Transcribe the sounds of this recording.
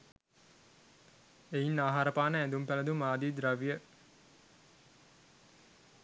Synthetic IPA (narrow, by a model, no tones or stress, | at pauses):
einːaːɦaɾəpaːnəænd̪umpæləd̪umaːd̪iːd̪ɾɐʋijə